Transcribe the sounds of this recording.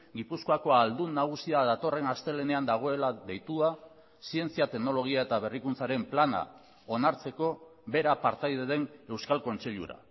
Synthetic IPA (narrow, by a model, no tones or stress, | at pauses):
ɡipuskoako̞ald̪unːaɣ̞usiaðat̪o̞re̞nast̪e̞le̞ne̞and̪aɣ̞o̞e̞laðe̞jt̪ua | sie̞nt͡siat̪e̞ɣno̞lo̞ɣ̞iae̞t̪aβ̞e̞rikunt͡saɾe̞mplana̰ | o̞naɾt͡se̞ko̞be̞ɾapaɾt̪ajðeðe̞ne̞wskalko̞nt͡se̞ʎṵɾa̰